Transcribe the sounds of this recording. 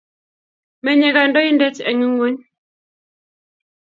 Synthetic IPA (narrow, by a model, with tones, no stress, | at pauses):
mɛ˨ɲɛ˨ɣa˨ndɔ˦ji˦ndɛ˦t͡ʃɛ̰˨ŋu˦ŋo˦ɲ